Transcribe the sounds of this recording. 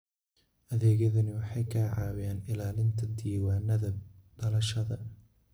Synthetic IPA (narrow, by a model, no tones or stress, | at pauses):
ʔɐðɛːɣɐðɐnɪwɑħɑjkʰaːʕɑ̰ːwɪjaːnɪlaːlɪnt̪ʰɐd̪iːwaːnɐðɐɖ̥ɐlɐʃɐðɐ